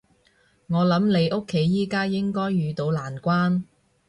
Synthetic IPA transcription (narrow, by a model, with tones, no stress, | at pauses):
ŋɔː˨˧lɐ˨˥mle˨˧jʔo˥kʰːe˨˥jːiː˥kaː˥jɪ˥ŋkɔː˥jːyː˨˧t̪o˨˥wlaː˨˩nkʷaː˥n